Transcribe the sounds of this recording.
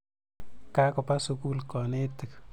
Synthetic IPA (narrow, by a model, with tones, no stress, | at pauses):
ka˦kɔ˨pa˦su˧ku˦lkɔ˨nɪ˦tə˨k